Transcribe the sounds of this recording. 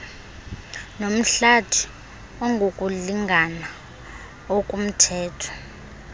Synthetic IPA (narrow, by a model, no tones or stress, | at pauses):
nom̩ɬatʰi̥ | ɔŋɡʱokʼuliŋʱana | okʼum̩tʰɛːtʰɔ̥